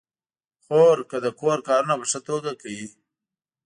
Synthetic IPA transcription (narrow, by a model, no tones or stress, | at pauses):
xoɾkəd̪əkoɾkɑːɾunapəʂət̪oɡakawi